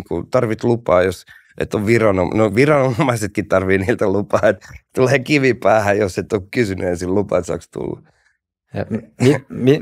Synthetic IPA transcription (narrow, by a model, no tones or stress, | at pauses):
kṵt̪ɑrʋit̪lupɑːjos | ʔḛt̪ːoʋʋirɑnonoʋirɑnommːɑiset̪̚kitt̪ɑrʋiːniːlt̪ælupɑːet̪t̪uleːkiʋipæːhæjjoset̪ːokkysynyesillupɑ̰et̪sɑ̰ːkst̪ṵlːɑ̰ | jɑ̰mimi